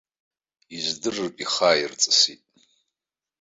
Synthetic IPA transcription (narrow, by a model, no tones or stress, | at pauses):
izdɨrɨrpʼiχairt͡sʼɨsitʼ